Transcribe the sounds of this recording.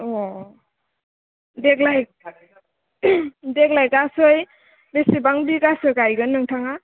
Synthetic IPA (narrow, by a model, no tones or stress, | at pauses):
ɔ | dek̚laj | deklajkasoj | besibaŋbikasɯjkajɡɯnːɯŋtʰaŋa